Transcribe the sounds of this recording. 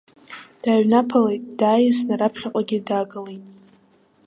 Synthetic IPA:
d̥aːɥnapʰalejtʼd̥aːjiznaɾapʰχʲaqʷʼaɡʲɪdaːɡʼɨlejtʼ

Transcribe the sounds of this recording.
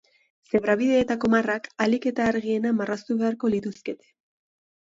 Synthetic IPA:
se̞βɾaβiðe̞ːt̪ako̞marakalike̞t̪aːɾɣie̞namarast̪uβe̞aɾko̞lit̪uske̞t̪e̥

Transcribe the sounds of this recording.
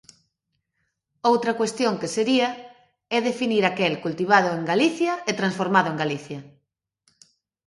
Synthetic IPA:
owt̪ɾɐkwest̪joŋkeseɾiɐ | ɛðefiniɾakelkult̪iβ̞að̞ʊeŋɡaliθjɐet̪ɾãnsfoɾmaðʊeŋɡaliθjɐ

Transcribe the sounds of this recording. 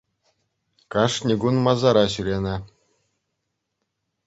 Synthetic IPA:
kɑʂnʲiɡunmɑzɑɾɑɕylʲenɘ̆

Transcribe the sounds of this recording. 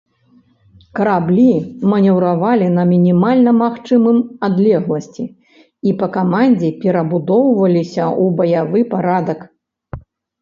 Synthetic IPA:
kɐɾablʲimɐnʲɛwɾavalʲinɐmʲinʲimalʲnɐmaxt͡ʂɨmɨmad̪lʲɛɣlˠɐsʲt͡sʲi | ipɐkamanʲd͡zʲɛpʲɛɾɐbud̪ɔwvɐlʲisʲɐʔubɐjavɨpaɾad̪ɐk

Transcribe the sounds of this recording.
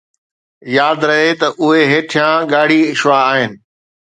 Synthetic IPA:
jaːd̪ɾɐɦet̪ɐʔʊɦeɦeːʈʰɪjãːɠaːɽ̤iɪʃʋaːɦɪnɪ̆

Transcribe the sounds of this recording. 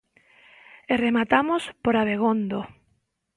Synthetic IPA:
eremat̪amospoɾaβeɣ̞ond̪o

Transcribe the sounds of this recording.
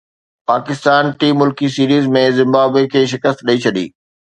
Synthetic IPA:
paːkɪst̪aːnʈiːmːʊlkisiːɾiːzmẽzɪ̃mbaːbekʰeːʃ̬ɪkəst̪ɗəit͡ɕʰɐɗḭː

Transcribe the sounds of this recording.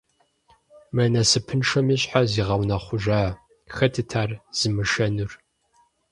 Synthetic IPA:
mɐnɐsɨpʰɨnʂɐmiːɕʼħaziːʁɐwnɐχʷʊʒaː | xɐtʰɨtʰaːrz̥ɨmɨʃɐnɨr

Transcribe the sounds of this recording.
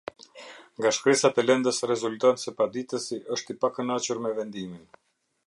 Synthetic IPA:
ŋɡaʃkɾɛsat̪ɛlɛnd̪əsrɛzult̪ɔnsɛpad̪it̪əsiʔəʃt̪ipakənat͡ɕuɾmɛvɛnd̪imin

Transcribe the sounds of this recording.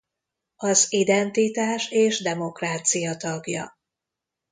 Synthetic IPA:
ɒzid̪ɛnt̪it̪aːʃeːʒd̪ɛmo̞kraːt̪sijɒt̪ɒɡjɒ̰

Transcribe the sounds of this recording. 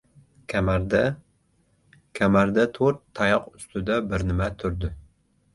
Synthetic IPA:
kʲʰmɾd̪ | kʲʰæmæɾd̪ɛt̪ʰoɾt̪ʰːɑjɑqyst̪ʰɪd̪ɛbɪɾnɪmɛt̪ʰʊɾd̪ɪ

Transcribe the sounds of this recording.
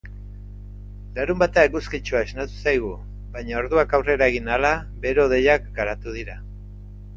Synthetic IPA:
laɾumbat̪aeɣuskit͡ʃuaeznat̪u̥sajɣ̞u | βajɲao̞ɾðuakawre̞ɾae̞ɣinalaβe̞ɾo̞ðe̞jakɡaɾat̪uð̞iɾa

